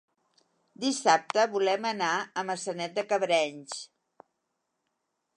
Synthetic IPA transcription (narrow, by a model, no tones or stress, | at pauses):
d̪isap̚t̪əβulɛmənaəməsənɛt̪̚d̪əkəβɾɛɲs